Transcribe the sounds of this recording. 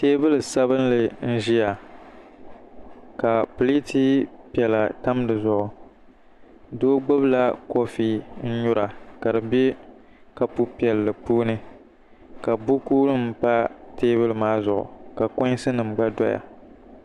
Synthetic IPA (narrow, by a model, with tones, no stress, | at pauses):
teː˦bɨ˦lɨ˨sa˦βɨ˦nlɨ˨n̩˦ʒi˦ja˨ | ka˨po˨li˦tʰiː˦pi˨ɛ˨la˨ta˦m˦dɨ˨zʊ˨ʔʊ˨ | doː˦ɡ͡bʊ˦bla˦ko˦fiː˦n̩˦ɲʊ˦ɾa˨ka˨dɨ˨be˦ | ka˨pu˦pi˨ɛ˨lːɨ˨puː˦nɨ˦ | ka˨bu˦kuː˦lɨ˦m̩˦pa˦teː˦bɨ˦lmaː˦zʊ˨ʔʊ̰˨ka˨kʊ̃˦ɲ˦sɨ˦nɨ˨m˨ɡ͡ba˦dɔ˦ja̰˨